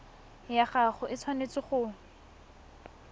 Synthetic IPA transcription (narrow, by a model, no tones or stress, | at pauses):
jaχaχʊʔɪt͡sʰwanet͡sɪχʊ